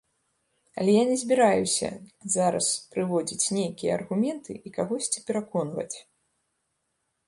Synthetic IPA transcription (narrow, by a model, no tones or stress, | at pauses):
ɐ̰lʲɛjanʲɛzʲbʲiɾajusʲɐ̰zaɾɐ̰spɾɨvɔd͡zʲit͡sʲnʲejkʲijɐɐ̰rɣumʲɛnt̪ʰɨʔikaɣɔsʲt͡sʲipʲɛɾakɔnvɐ̰t͡sʲ